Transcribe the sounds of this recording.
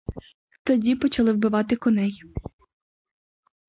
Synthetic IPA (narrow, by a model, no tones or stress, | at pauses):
t̪ɔdʲipɔt͡ʃɐlˠɪwbɪʋɑt̪ɪkɔnɛj